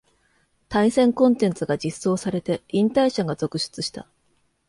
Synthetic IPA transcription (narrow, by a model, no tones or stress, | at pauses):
t̪ãĩsẽ̞ŋkõ̞nt̪ẽ̞nt͡sɨɡad͡ʑisːo̞ːsaɾe̞t̪e̞ĩnt̪aiɕaɡazo̞kɯ̟ɕɨ̥t͡sɨɕi̥t̪a̰